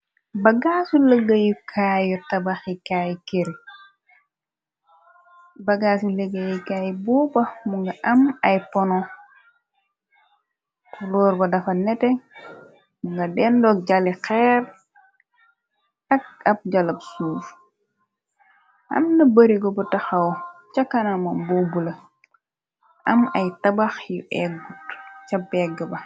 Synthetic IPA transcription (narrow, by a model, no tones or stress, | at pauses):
bɐɡasuləɡɐjukʰaːjɔtɐbaxikajkeɾi | bɐɡaːsuləɡːɐjukaːjbubɐmuŋɡɐʔɐmɐjpɔnɔ | kulɔːɾbɐdɐfɐnɛtɛ | muŋɡɐdɛndɔk̚ɟalikɛːr | ɐk̚ɐp̚ɟɐlɐp̚suːf | ʔɐ̰mnɐbɐɾiɡɔbutɐxɐɔt͡ʃakːɐnamɐmbobulɐ | ʔɐmɐjtɐbaxjuʔɛɡutt͡ʃɐbɛɡəbɐ